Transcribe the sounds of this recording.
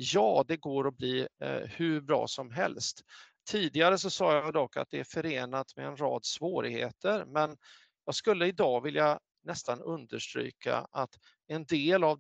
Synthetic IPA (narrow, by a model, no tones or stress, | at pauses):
jɑːd̪ɛɡoːɾɔbliːhʉbɾɑ̰ːsɔmɦɛ̰lst̪ʰː | iːd̪ɪɡaɾəs̬ɔsɑːjad̪ɔkːa̰t̪̚d̪ɛæɾfœɾeːnat̪mɛɛnɾɑːd̪svoːɾɪɡhḛːt̪ʰəɾmɛn | jɑːɡskɵlːəɪd̪ɑːɡvɪlja | nɛst̪anɵnd̪əʂʈɾy̰ːka̰ʔat̪ | ɛnd̪eːlav